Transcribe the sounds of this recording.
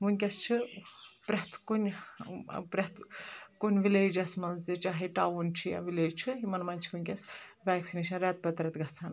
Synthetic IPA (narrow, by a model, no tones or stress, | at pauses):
munʲkʲɐst͡ʃʰɨpɾʲɐt̪ʰkunʲ | pɾʲɐt̪ʰkunʲʋileːd͡ʒɐsmɐnzzet͡ʃaːɦeʈaːʋunt͡ʃʰija̰ʋileːd͡ʒt͡ʃʰɨɦimɐnmɐnʲt͡ʃʰi̥kunʲkʲɐsʋaːksineʃɐnɾat̪̚pɐt̪ɾɐt̪ɡɐt͡sʰaːn